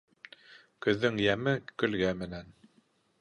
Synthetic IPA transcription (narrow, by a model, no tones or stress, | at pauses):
kɵ̆ðːɘŋjæmɘkɵ̆lɡæmɘ̆næn